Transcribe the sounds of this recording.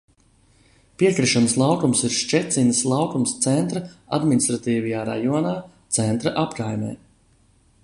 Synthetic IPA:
piɛkɾiʃanslˠawkumsiɾʃt͡ʃɛt̪sinəslˠawkumst̪sɛnt̪ɾɐa̰d̪minist̪ɾat̪iːvijaːɾa̰juɔnaːt̪sɛnt̪ɾɐʔapkajmʲɛ̰ː

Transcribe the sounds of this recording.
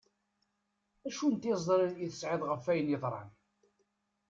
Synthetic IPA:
æʃunt̪ɪzˤɾəniθə̥sʕɪðˤʁəfːæjənjəðˤɾˤɑ̰n

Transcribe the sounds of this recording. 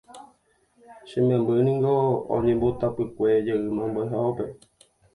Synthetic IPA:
ʃẽmẽmbɨnĩŋɡoõ̰ɲẽmbot̪apɨkʷe̞d͡ʒəʔɨmãmbajɦaope̞

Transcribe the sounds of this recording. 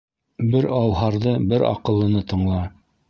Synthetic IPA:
bɘɾɑwɦɑɾðɤbɘɾɑ̰qɤ̆lˠːɤ̆nɤt̪ɤ̆ɴlˠɑ

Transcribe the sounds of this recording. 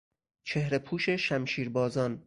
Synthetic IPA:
t͡ʃʰe̞hɾepʰuːʃe̞ʃæmʃiːɾbɒːzɒn

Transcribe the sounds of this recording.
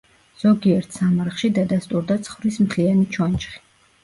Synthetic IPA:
z̥ɔɡiɛɾt̪ʰsamaɾχʃid̪ad̪ast̪ʼuɾd̪at̪sʰχvɾismt̪ʰlianit͡ʃʰɔnt͡ʃχi̥

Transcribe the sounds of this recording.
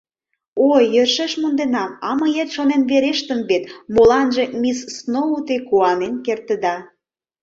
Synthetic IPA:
ojːørʃĕʃmund̪enɑmɑmə̆jet̪ʃonenβeɾeʃt̪ə̆mβet̪molɑnʒe̽missnout̪ekuɑnenkert̪ə̆d̪ɑ

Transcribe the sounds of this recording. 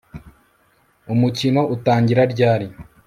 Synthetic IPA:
umucino̞ʔutaːɲɟiɾaɾɟaːɾi

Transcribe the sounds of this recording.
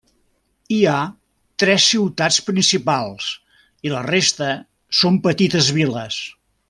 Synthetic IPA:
ia | t̪ɾɛsːiwt̪aspɾinsipalˠs | ilərest̪ə | sompət̪it̪əzβiləs

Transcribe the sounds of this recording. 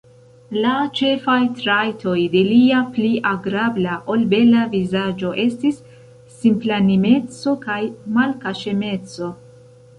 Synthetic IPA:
lat͡ʃe̞fajtɾajtʰo̞jde̞liapliʔaɡɾablaʔo̞lbe̞lavizad͡ʒo̞ʔe̞stisː | implanime̞t͡so̞kajmalkaʃe̞me̞t͡so̞

